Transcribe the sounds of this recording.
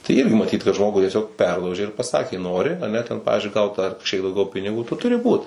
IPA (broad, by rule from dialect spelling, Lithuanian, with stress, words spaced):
tɐɪ ˈɪrʲɡʲɪ mɐˈtʲiːt kɐt ˈʒmoːɡʊ tʲiɛˈsʲoːk ˈpʲɛrlˠɐʊʒʲeː ɪr pɐˈsɑːkʲeː ˈnoːrʲɪ ɐˈnʲɛ tʲɛn ˈpɑːʋʲɪzʲd͡ʒʲʊɪ ˈɡɐʊt ɐr kɐʃʲˈkʲiɛk dɐʊˈɡʲɛʊ pʲɪnʲɪˈɡuː ˈtʊ tʊˈrʲɪ ˈbuːt